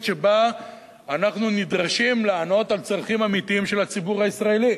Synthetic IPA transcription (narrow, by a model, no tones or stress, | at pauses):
ʃe̞baː | naχnunid̪ʁaʃimlaːno̞t̪alt͡sʁaχimamit̪iimʃe̞lat͡sibuʁhaisʁae̞li